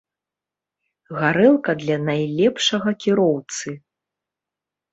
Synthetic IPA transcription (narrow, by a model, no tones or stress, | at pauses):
ɣaɾɛlˠkɐd̪lʲanajlʲɛpʂɐɣɐkʲiɾɔwt̪sɨ